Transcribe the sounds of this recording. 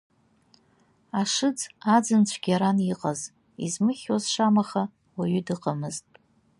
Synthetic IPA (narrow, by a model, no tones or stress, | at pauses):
aʂɨd͡zʰad͡zɨnt͡ɕʷʰɡ̥ʲaɾaniqʼaz | ḭzmɨχʲwazʂamaχa | waɥʏdɨqʼamɨztʼ